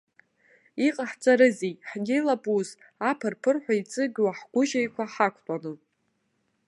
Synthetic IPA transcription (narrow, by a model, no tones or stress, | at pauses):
iqʼaħt͡sʼaɾɨzejħnʲelabʼuz | apʰɨrpʰɨrħʷait͡sʼɨɡʲwaħɡʷʊʒajkʷʰaħakʷʰtʼanɨ